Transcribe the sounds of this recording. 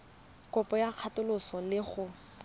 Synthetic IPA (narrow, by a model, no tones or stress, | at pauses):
kɔpɔjaq͡χʰatʊlʊsɔlɪχʊ